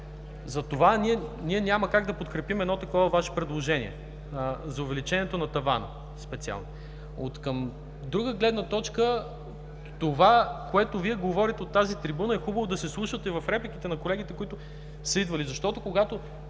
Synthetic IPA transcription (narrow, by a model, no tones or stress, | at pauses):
zɐt̪ovaniɛniɛnʲaməkaɡd̪ɐpot̪kɾɛpimɛd̪nɔt̪ɐkɔvɐvaʃɛ̥pɾɛd̪lˠoʒɛnḭɛ̰ | zɐʊvɛlit͡ʃɛniɛt̪onɐt̪ɐva̰nə̰ | spɛt̪sia̰lˠno | o̰t̪kəm | d̪ɾuɡəɡlɛd̪nət̪ɔt͡ʃkə | t̪ovakoɛt̪oviɛɡovɔɾit̪ɛot̪ːazit̪ɾibunəɛxubəvod̪ɐsɛslˠuʃət̪ɛivɐfɾɛplik̟it̪ɛnɐkolɛɡ̟it̪ɛkoit̪ʊ | səid̪vɐlizɐʃt̪ɔt̪okoɡat̪o